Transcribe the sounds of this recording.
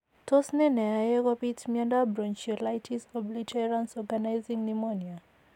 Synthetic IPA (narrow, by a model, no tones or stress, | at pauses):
tʰɔsnɛnɛajɛkɔpitmjãndabɾɔnt͡ʃilajtʰisɔblitʰɛɹãnsɔɡanajzĩŋnimɔnia